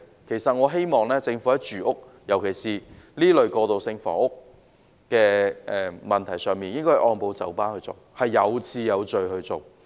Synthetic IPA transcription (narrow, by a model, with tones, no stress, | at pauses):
kʰe˨˩jsɐ˨t̚ŋɔː˨˧ɦe˥jmɔː˨˩ŋlɛː˥t͡sɪ˧ŋfu˨˥ɐ˨˥t͡ʃyː˨ʔʊ˥k̚ | jɐ˨˩wkʰe˨˩jsiː˨liː˥lɵ˨ɥkɔː˧t̪o˨wsɪ˧ŋfɔ̰ː˨˥ʊ˥k̚ː | kɛː˧ʔɛː˧mɐ˨˩nt̪ʰɐ˨˩jsœː˨ŋmiː˨njɪ˥ŋkɔː˥hʔɔː˧npo˨˧wt͡sɐ̰˨˥wpaː˥nhɵ˧t͡so˨whɐ˨jːɐ˨˧wt͡sʰiː˧jɐ˨˧wt͡ʃɵ˨ɥhɵ˧ɥt͡so˨˩w